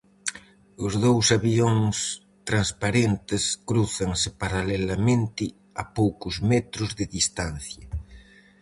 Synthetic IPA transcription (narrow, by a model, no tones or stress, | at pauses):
ozðowsaβioŋs | t̪ɾanspaɾent̪eskɾuθaŋsepaɾalelamẽnt̪ɪ | apowkʊzmɛt̪ɾʊzðeðist̪an̟θjɐ